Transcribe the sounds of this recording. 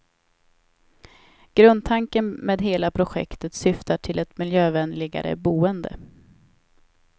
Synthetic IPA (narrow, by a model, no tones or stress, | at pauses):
ɡ̥ɾɵnd̪̚t̪ʰaŋkənmeːd̪ɦeːlapʰɾʊɧɛ̰kt̪ət̪sʏft̪aʈʰɪlɛt̪mɪljøːvɛnlɪɡa̰ɾə̰buːənd̪ə̰